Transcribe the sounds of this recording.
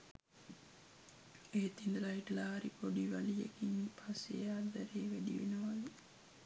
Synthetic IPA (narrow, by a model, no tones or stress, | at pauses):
et̪ind̪laiʈlaːɾipoɖiʋalijḛkiŋpʰasḛjaːd̪æɾeːʋæd̪ḭʋḛnəʋali